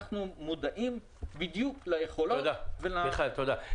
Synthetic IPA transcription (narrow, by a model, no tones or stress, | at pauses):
χnumud̪aʔim | bid̪juklajeχolood̪avelaeχlalt̪od̪a